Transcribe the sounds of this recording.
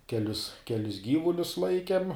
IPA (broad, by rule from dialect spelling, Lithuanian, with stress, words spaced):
kʲɛˈlʲʊs kʲɛˈlʲɪs ˈɡʲiːʋʊlʲʊs ˈlˠɐɪkʲɛm